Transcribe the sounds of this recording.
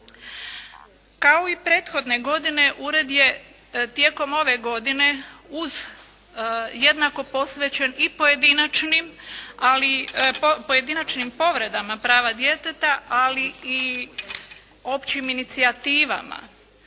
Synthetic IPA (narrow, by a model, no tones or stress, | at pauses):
kao̞ipɾe̞ːt̪xo̞d̪ne̞ɡo̞d̪ine̞ʔuɾe̞d̪je̞ | t̪je̞ːko̞mo̞ʋe̞ɡo̞d̪ine̞uz | je̞d̪nako̞po̞sʋet͡ɕe̞nipo̞je̞d̪inat͡ʃnimali | poje̞d̪inat͡ʃnimpo̞ʋɾe̞d̪amapɾaːʋad̪je̞t̪et̪aalii | o̞pt͡ɕiminit̪siat̪iːʋa̰ma̰